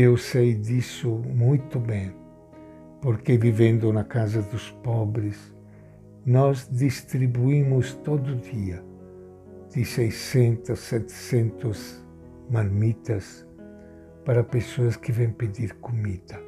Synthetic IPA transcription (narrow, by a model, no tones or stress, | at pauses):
ewsejd̪isʊmujt̪ʊbɛ̃ŋ | poɾkevivẽnd̪ʊnakazɐd̪ʊspɔbɾɪs | nɔzd̪ist̪ɾibuimʊst̪od̪ʊd̪iɐ | d̪̥ɪsejsɛ̃nt̪ɐsɛt̪e̥sẽnt̪ʊz | maɾmit̪ɐs | paɾɐpesoɐskɪvɛ̃ŋped̪iɾkumid̪̥ɐ